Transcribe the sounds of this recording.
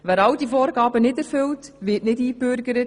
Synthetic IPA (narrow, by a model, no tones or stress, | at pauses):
væːɾɑwdifoːɾɡɑːbənɪdɛɾfʏltʋɪːtnɪdiːbøɾɡəɾə